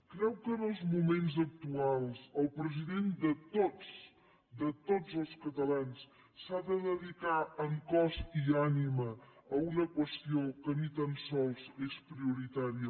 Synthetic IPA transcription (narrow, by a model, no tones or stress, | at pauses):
kɾɛwkənəlˠzmumenzək̚t̪ualˠsəlˠpɾəziðend̪ət̪os | d̪ət̪od͡zəlˠskət̪əlans | saðəðəðikaəŋkɔzianiməːunəkwəst̪iokənit̪ansɔlˠzespɾiuɾit̪aɾiə